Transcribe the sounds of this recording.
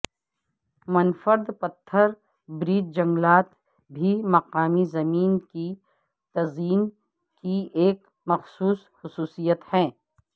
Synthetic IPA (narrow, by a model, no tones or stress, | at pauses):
mɐnfəɾd̪pɐt̪ʰːəɾ | bɾiːd͡ʒd͡ʒɐ̃ŋɡlaːt̪ | bʱimɐqaːmizɐmiːnki | t̪ɐziːn | kieːk | mɐxsuːs | xʊsuːsijət̪hɛ̃ː